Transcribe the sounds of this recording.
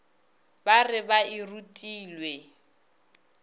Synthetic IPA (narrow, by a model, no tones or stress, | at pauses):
barɪbaɪrutʼiːlwe